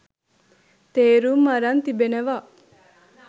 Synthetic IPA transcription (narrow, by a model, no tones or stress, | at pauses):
t̪eːɾumːɐɾɐnt̪ibeneʋa